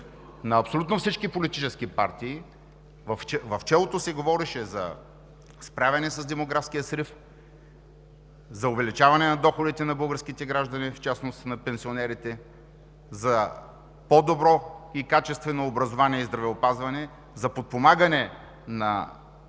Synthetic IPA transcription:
nɐːpsolʲut̪nofsit͡ʃkipolit̪it͡ʃɛskipa̰ɾt̪iː | vɐfɛvɐft͡ʃɛlˠot̪osɛɡovɔɾɛʃɛzɐ̰ | spɾavʲɛnɛsɐzd̪ɛmoɡɾafskijəsɾif | zɐʊvɛlit͡ʃavɐnɛnɐd̪ɔxod̪it̪ɛnɐbɤlˠɡəɾskit̪ɛɡɾaʒd̪ɐnift͡ʃasnost̪nɐpɛnsionɛɾit̪ɛ | zɐ | pod̪obɾɔikat͡ʃɛst̪vɛnoːbɾɐzovaniɛizd̪ɾɐvɛopazvɐnɛ | zɐpot̪̚pomaɡɐnɛ | nɐ̰

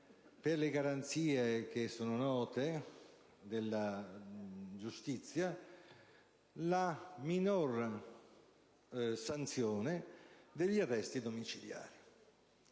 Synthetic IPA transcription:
perleɡaɾant̪siːek̟esːoːnʊnɔːt̪e | d̪elːa | d͡ʒust̪it̪sːja | laminor | sant̪sjoːnɪd̪eʎːiarːɛst̪id̪omit͡ʃilja̰ːɾi

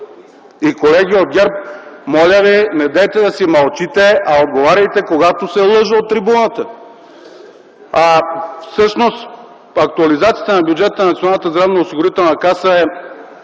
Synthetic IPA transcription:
ikolɛɡʲiod̪̚ɡʲaɾp̚mɔlʲəvinɛd̪ɛjt̪ɛd̪ɐsimɐlˠt͡ʃit̪ɛɐod̪ɡovaɾʲɐjt̪ɛkoɡat̪osɛlˠɤʒəot̪ːɾibunət̪ə | afsɤʃnos | ɐk̚t̪uɐlizat̪sijət̪ənɐbʲjud͡ʒɛt̪ənnɐt̪ionalˠnət̪əzd̪ɾavnoosiɡʊɾit̪ɛlˠnɐkasəɛ

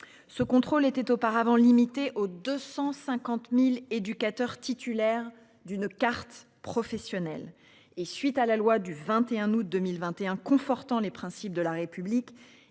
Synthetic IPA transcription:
səkɔ̃t̪χolet̪ɛt̪opaʁavɑ̃limit̪eʔod̪øsɑ̃sɛ̃kɑ̃t̪miled̪ykat̪œʁt̪it̪ʰylɛʁ | d̪ynkaʁt̪ | pχɔfɛsjɔnɛl | esɥit̪alalwad̪yvɛ̃t̪eɛ̃nut̪̚d̪ømilvɛ̃t̪eɛ̃kɔ̃fɔʁt̪ɑ̃lepχɛ̃sip̚d̪əlaʁepyblik

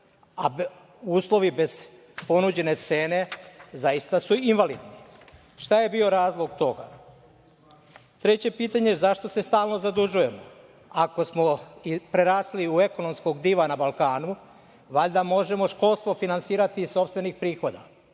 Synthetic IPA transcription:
a | uːslˠo̞ʋibe̞z̥ | po̞nud͡ʑe̞ne̞t̪se̞ːne̞zajist̪asuinʋalḭːd̪ni | ʃt̪aje̞bio̞ɾaːzlˠo̞ɡt̪o̞ɡa | t̪ɾet͡ɕe̞piːt̪aɲe̞zaʃt̪o̞se̞st̪aːlˠno̞zad̪uʒuje̞mo̞ | ako̞smo̞ipɾe̞ɾaːsliue̞ko̞no̞msko̞ɡd̪iʋanabalˠkaːnu | ʋaʎd̪amo̞ʒe̞mo̞ʃko̞lˠst̪ʋo̞finansiːɾat̪iso̞pst̪ʋe̞nixpɾiːxo̞d̪a̰

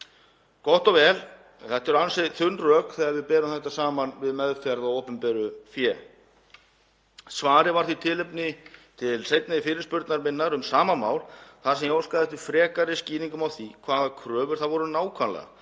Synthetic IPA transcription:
kɔht̪ɔɣvɛːl | θɛht̪ɛɾʏansɪθʏnrœːkθɛːɣaɾvɪðpɛːɾʏmθɛht̪ːasaːmanvɪðmɛðfjaɾðawowpʏmpɛɾʏfjɛ | svaːɾɪvaɾ̥θit̪ʰɪlɪpnɪt̪ʰɪlsejt̪naðɪfɪːɾɪɾspʏɾt̪naɾmɪnːaɾʏmsaːmamaːwlθaðsɛmjoːwskaðɛht̪ʏfɾɛːkaɾɪsciːniŋkʏmawθikʰvaːðakʰɾœːvʏɾ̥θaðvɔɾʏnaːwkʰvanlɛ̰ɣa̰

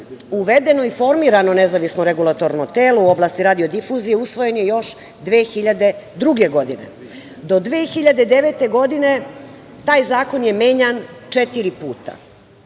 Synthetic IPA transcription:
uʋed̪e̞no̞ifo̞ɾmiːɾano̞nezaʋisnoɾe̞ɡulˠat̪o̞ɾnot̪eːlouo̞blˠaːst̪iɾaːd̪io̞d̪ifuzije̞usʋo̞je̞njejo̞ʃ | d̪ʋeːxiʎad̪e̞d̪ɾuɡe̞ɡo̞d̪inḛ | d̪o̞d̪ʋeːxiʎad̪e̞d̪eʋe̞t̪e̞ɡo̞d̪ine̞ | t̪aːjzaːko̞nje̞meːɲant͡ʂet̪iɾipuːt̪a̰

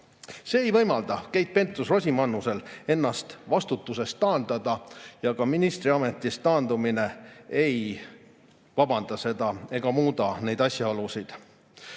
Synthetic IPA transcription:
se̞ːjvɤjmɑld̪̥ɑkejt̪̚pe̞nt̪ːˑusrosʲimɑnːuse̞le̞nːɑst̪vɑst̪ut̪ːˑuse̞st̪ːɑːnd̪̥ɑd̪̥ɑjɑkɑminist̪ɾiɑme̞t̪ːˑist̪ɑːnd̪umine̞ej | vɑbɑnd̪̥ɑse̞d̪ɑe̞ɡ̥ɑmuːd̪ɑne̞jd̪ɑsʲjɑolusid̪̥

